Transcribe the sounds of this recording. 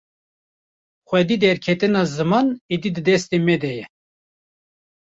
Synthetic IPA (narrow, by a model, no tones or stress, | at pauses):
xʷɛd̪iːd̪ɛɾkʰɛt̪ɨnɑzɨmɑnid̪id̪ɨd̪ɛst̪emɛd̪ɛjɛ